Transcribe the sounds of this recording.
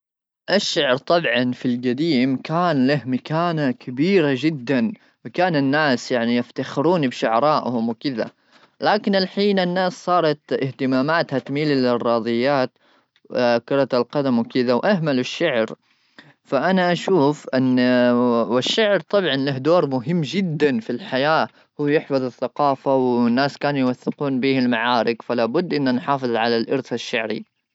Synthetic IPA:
ʔaʃːaʕɾt̪ˤɑbʕɑnfilɡad̪iːmkaːnlahmakaːnakʰabiːɾad͡ʒɪd̪ːan | wɪkaːnɪnːaːsjaʕnijaft̪axɪɾuːnbɪʃʊʕɾˤɑːʔhʊmwɪkɪða̰ | laːkɪnɪlħiːnanːaːssˤɑːɾˤɑt̪ɪht̪ɪmaːmaːt̪hat̪miːlilɪrˤːɑːðˤɨjːaːt̪ | kɑɾˤɑt̪alqɑd̪amwkɪðawʔahmalɪʃːaʕɾ | faʔanaʔaʃuːfʔɪn | wɪʃːaʕɾt̪ˤɑbʕɑnlahd̪oːɾmʊɦɪmːd͡ʒɪd̪ːanfilħajaː | huːjɪħfɑðˤɪθːaqɑːfawɪnːaːskaːnjwaθːɪquːnbiːhɪlmaʕaːɾɪkfalaːbʊd̪ːʔɪnːanħɑːfɨðˤʕalalʔɑɾθaʃːaʕɾḭ

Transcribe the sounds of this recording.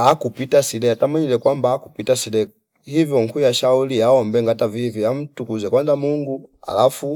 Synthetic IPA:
akupitasilɛatamaɲilɛkwambaːku̥pitasilɛ | hivjɔŋkujaʃauliaɔmbɛŋɡataviviam̩tukuzɛkwanzamuŋɡua̰lafu

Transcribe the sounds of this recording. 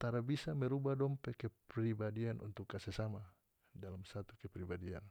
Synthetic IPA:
t̪aɾabisamɛɾubadɔmpɛkɛpɾibadianʔṵnt̪ukːasɛsama | dalamsat̪ukɛpɾibadia̰n

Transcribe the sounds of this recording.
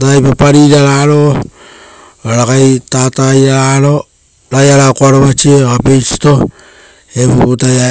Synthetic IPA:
taːjpapaɾiɾaɾaɾo | aɾakajtatajɾaaɾo̞ | ɾajaɾakoaɾoβat͡ʃiekapejsi̥to̞ | epuputaa

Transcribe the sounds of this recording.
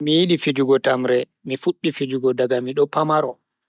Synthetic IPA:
mijiɗifid͡ʒuɡɔtamɾɛ | mifuɗːifid͡ʒuɡɔdaɡamiɗɔpamaɾɔ

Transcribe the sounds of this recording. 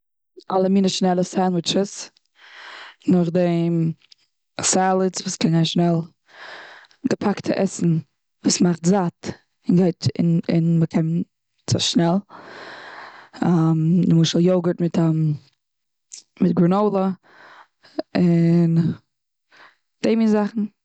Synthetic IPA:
ʔalˠəmiːnəʃnɛlˠəsanwɪt͡ʃəs | nʊχdem | salˠɪt͡svuːskɛnɡaɪnʃnɛlˠ | ɡəpʰaktʰəʔɛsn̩ | vuːsmaχtzat | ɪnɡaɪtɪ̰nɪ̰nməkʰɛm | t͡sɛ̰ʃnɛlˠ | adɪmʊʃəlˠjoʊɡətmɪta | mɪt̚ɡɾunoʊlˠə | ɪn | d̥eɪmɪzaχn̩

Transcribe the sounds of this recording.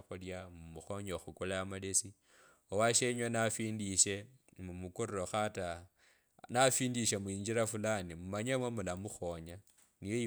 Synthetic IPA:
xuljamumuxo̞ɲoxukulaamalesi | owaʃeɲwenafiːndiʃe̞ | mumukuɾiro̞xata | nafiːndiʃemuiːɲd͡ʒiɾafulanimumaɲemwemulamuxo̞ɲa | nijoi

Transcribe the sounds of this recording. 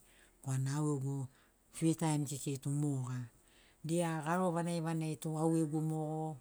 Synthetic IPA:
koanaaweɡo | fitajmsiketumoɡa | diaɡaɾo̞βanejβanejtuaweɡumoɡo

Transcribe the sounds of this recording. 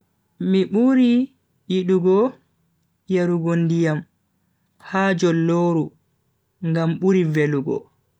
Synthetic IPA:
miɓuɾi | jiɗuɡɔ | jaɾuɡondijam | haːd͡ʒɔlːoːɾu | ŋɡamɓuɾiveluɡɔ̰

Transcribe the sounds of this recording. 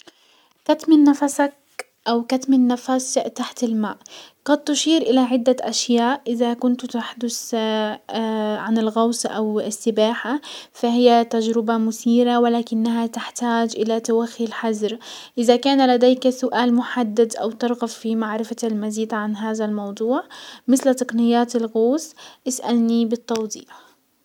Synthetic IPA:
kat̪mɪnːafasak̚ | ʔawkat̪mɪnːafast̪aħt̪ɪlmaːʔqɑd̪̚t̪ːʊʃiːɾʔɪlaʕɪd̪ːaʔaʃjaːʔʔɪðakʊnt̪t̪aħd̪ʊs | ʕanɪlɣɑwsˤʔawɪsːɪbaːħafahɪjːat̪ad͡ʒɾɪbamʊθiːɾawɪlaːkɪnːaɦat̪ɪħt̪aːd͡ʒʔɪlat̪awaxːilħazɾʔɪðakaːnalad̪eːksʊʔaːlmʊħad̪ːad̪ʔa̰wt̪ɪɾˤɣafːimaʕɾɪfalmaziːd̪ʕanɦaːðalmɑwd̪ˤuːʕmɪθlt̪ɑqnɪjːaːt̪ɪlɣoːsʔɪsʔa̰lnibɪt̪ˤːɑwd̪ˤiːħ

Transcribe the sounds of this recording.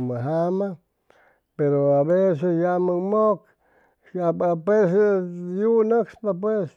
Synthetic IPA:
məɦama | peɾoaβesesjaməmok | apapesejunəkspapwes

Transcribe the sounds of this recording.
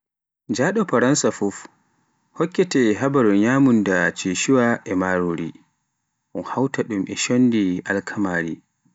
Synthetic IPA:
d͡ʒaɗɔpaɾansafuf | hɔkːɛtɛɦabaɾuɲaːmundat͡ʃiʃuwaʔɛmaɾoɾḭ | ʔunhawtaɗumʔɛʃondiʔa̰lkʰamaːɾi

